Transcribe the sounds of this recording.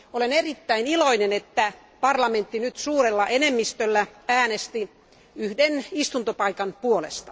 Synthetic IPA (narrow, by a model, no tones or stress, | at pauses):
olenerit̪ːæiniloinenet̪ːæ | pɑrlɑment̪ːinyt̪suːrelːɑʔenemːist̪ølːææːnest̪i | yhdenist̪unt̪opɑikɑnpuolḛst̪ɑ